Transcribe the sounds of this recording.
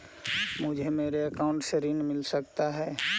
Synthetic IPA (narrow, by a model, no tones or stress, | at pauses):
mʊd͡ʒʱemeːɾeɐkaːʊ̃ɳʈseɾiːnmɪlsəkt̪aɦɛː